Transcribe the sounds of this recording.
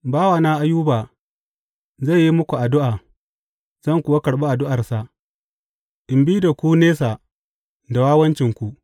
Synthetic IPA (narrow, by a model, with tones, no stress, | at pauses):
baː˦wa˨naː˦ʔa˦juː˦baː˨ | za˦˨jːi˦mʊ˦kʷu˨ʔa˨dʊ˦ʔaː˨ | z̥ɐ˦˨ŋkʷʊ˨wa˦kɐ˨ɽɓa˦ʔa˨dʊ˦ʔa˨rsa˨ | ʔɪ˨mbi˦da˨kʷuː˦neː˦sa˨ | da˨waː˦wɐ˦nt͡ʃɪ˨ŋkʷu˨ʔ